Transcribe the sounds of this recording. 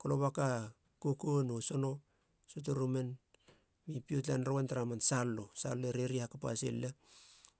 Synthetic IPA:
koloβaka | kokonoso̞no̞ | sot̬oɾomen | mipiot̬lanɾowantaɾamansalːosaloeɾeɾihakapa̰sḛlla

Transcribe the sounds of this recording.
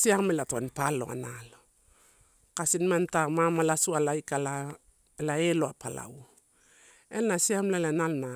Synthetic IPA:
siamelatua̰npalo̞̰a̰nalo | kasinmantamamalasualajkala | laeloapala̰w | enːasiamlalanalna

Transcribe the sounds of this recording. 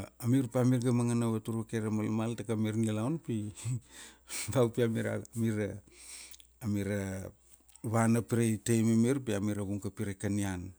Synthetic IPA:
amiɾpamiɾɡamaŋanaβatuɾakeɾamalmaltakamiɾŋilawnpi | bawpiamiɾa̰miɾaː | miɾa | βanapiɾetejmemiɾpiamiɾaɡuŋkapiɾekanian

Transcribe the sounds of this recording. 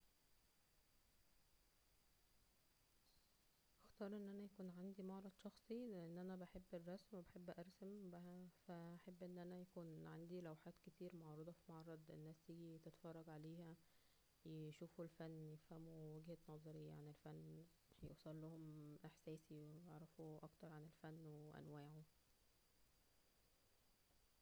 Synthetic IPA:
ʔext̪ɑːɾˤʔenːʔænæjækuːnʕand̪imɑʕɾˤɑd̪̥ˤʃɑxsˤileʔenːʔænæbaħebːerˤːɑsmwebeħebːʔɑɾˤsæmbæhæfæʔaħebːʔenːʔænæjækuːnʕand̪ilæwħaːt̪ket̪iːɾmɑʕɾˤɑd̪ˤɑfimɑʕɾˤɑd̪ˤʔḛnːæːst̪iːɡit̪et̪fɑrˤːɑɡʕaleːhæ | jeʃuːfulfænːjefhæmuwæɡhænɑzˤɑɾiaʕanelfænː | ħjewsˤɑlːohomʔeħsæːsiwejeʕɾˤɑfuʔɑkt̪ɑɾˤʕanelfænːweʔæ̰nwæːʕu

